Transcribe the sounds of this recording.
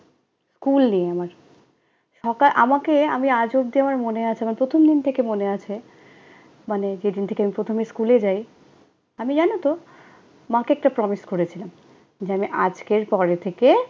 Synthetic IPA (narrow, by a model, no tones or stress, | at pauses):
skulnieamaɾ | ʃɔkalʔamakeamiad͡ʑob̚d̪iamaɾmoneat͡ɕʰeamanpɾot̪ʰomd̪int̪ʰekemoneat͡ɕʰe | maned͡ʑed̪int̪ʰekeamipɾot̪ʰomiskuled͡ʑaj | amid͡ʑanot̪o | mãkeɛk̚ʈapɾɔmiskoɾet͡ɕʰilam | d͡ʑeamiʔad͡ʑkeɾpɔɾet̪ʰeke